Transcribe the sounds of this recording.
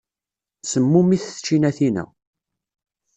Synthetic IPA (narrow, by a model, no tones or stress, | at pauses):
səmːumiθt͡ʃːinæθinæ̰